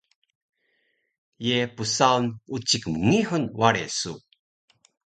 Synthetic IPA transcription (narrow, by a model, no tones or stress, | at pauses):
jepusawnut͡ɕikmŋiħunwaɾḛsu